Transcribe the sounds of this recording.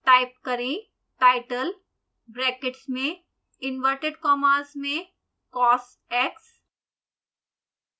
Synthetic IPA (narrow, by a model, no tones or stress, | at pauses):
ʈaɪp̚kəɾẽ | ʈaɪʈəl | bɾɛːkɪʈsmẽ | ɪnʋəɾʈeɖkɔːməɾsmẽ | kɔːs | ɛːks